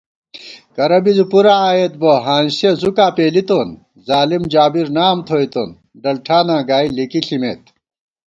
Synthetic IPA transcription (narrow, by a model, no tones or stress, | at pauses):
kɐɾɐbizupuɾaːjet̪̚boːɦaːnsezukaːpeːlit̪oːn | zaːlimd͡ʑaːbiɾnaːmt̪ʰoːit̪oːn | ɖɐlʈʰaːnãːɡaːilikiɬimeːt̪̚